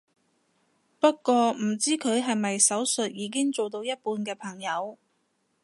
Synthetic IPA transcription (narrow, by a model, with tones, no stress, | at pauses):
pɐ˥t̚kːʷɔː˧m̩˨˩t͡siː˥kʰɵ˨˧ɥɦɐ˨jmɐ˨jsɐ˨˥wsɵ˨t̚jiː˨˧˥k̬ɪ˥ŋt͡so˨wt̪o˧wjɐ˥t̚puː˧nkɛː˧pʰɐ˨˩ŋjɐ˨˧w